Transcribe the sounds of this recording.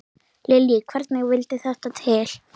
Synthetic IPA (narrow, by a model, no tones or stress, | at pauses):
lɪljɪkʰvɛɾt̪nɪɣvɪlt̪ɪθɛht̪at̪ʰɪl̥